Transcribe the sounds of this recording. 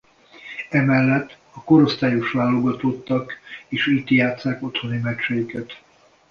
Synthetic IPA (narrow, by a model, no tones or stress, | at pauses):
ɛmɛlːɛt̪ː | ɒko̞ɾo̞st̪aːjoʃʋaːlːo̞ɡɒt̪o̞t̪ːɒkeːʃiːt̪jaːt̪saːko̞t̪ho̞nimɛt͡ʃɛikɛt̪